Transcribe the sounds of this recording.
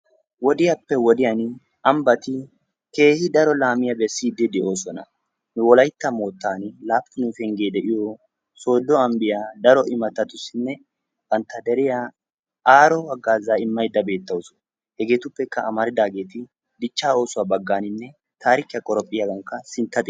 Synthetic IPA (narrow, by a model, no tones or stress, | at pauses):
wɔd̪ɪjɐpːɛwɔd̪ɪjɐn | ʔɐmbɐt̪ɪ | ke̞ːhɪd̪ɐɾɔlaːmɪjɐbɛsːiːd̪ɛd̪ɛʔoːsɔnɐ̰ | nʊwɔlɐjt̪ːɐmo̞ːt̪ːaːnɪlaːfɪnʊfɛŋɡeːd̪ɛʔɪjɔ | so̞ːd̪ːɔɐmbɪjad̪ɐɾɔʔɪmɐt̪ːɐt̪ʊsɪnːɛ | bɐnt̪ːɐd̪ɛɾɪja | aːɾɔwɐɡːaːzːaːɪmːɐjd̪ːɐbe̞ːt̪ːɐwʊsɔ̥ | hɛɡe̞ːt̪ʊpːɛkːɐːmɐɾɪd̪aːɡe̞ːt̪ɪ | d̪ɪt͡ʃːaːo̞ːsʊwaːbɐɡːaːnɪnːɛ | t̪ʰaːɾɪkɪjɐkʼɔɾɔpʼːɪjɐɡɐŋkːɐsɪnt̪ːɐt̪ʼɪ